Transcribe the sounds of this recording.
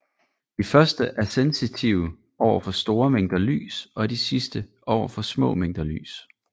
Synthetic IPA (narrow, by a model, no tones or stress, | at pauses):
d̥ifɶɐsd̥əʔæɐsensit͡sʰiʊə | ɒʊ̰ɐfɒ̽sd̥o̝ːɐmeŋ̰d̥ɐly̰ːsɒ̽d̥isisd̥əʔɒʊ̰ɐfɒ̽smɔ̰̽ːmeŋ̰d̥ɐly̰ːs